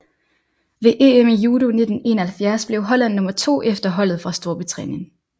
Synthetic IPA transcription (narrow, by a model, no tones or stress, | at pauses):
ʋe̝ʔeːemijuːɾ̥o̝ne̝d̥n̩e̝̰ːnɐhælfjæɐsb̥le̝ʊɦɒ̽læn̰ːɔ̽mɐt͡sʰo̝̰ːʔefd̥ɐɦɒ̽l̰ð̩ˠfʁɑ̈sd̥o̝ɐ̰b̥it͡sʰʁɛ̰nen